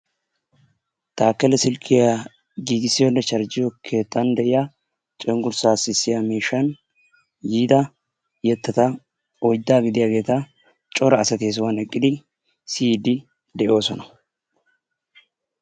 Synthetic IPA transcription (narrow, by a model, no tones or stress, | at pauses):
t̪aːkːɛlɛsɪlkʰːɪja | ɡiːɡɪsːɪjɔnːɛʃɐɾd͡ʒɪjɔkʰe̞ːt̪ːɐnd̪ɛʔɪja | t͡ʃʼɛŋɡʊɾsaːsːɪsːɪjamiːʃːɐn | jiːd̪ɐ | jɛt̪ːɐt̪ɐ | ɔjd̪ːaːɡɪd̪ɪjaːɡe̞ːt̪ɐ | t͡ʃʼɔɾɐːsɐt̪ɪːs̬wanɛkʼːɪd̪ɪ | siːd̪ɪ | d̪ɛʔo̞ːsɔnɐ̥